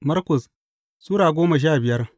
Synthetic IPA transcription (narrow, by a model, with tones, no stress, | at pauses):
mɐ˦rkɔ˨s | suː˦ɽaː˨ɡʷoː˦ma˨ʃ̬aː˦˨bɪ˨jɐ˦r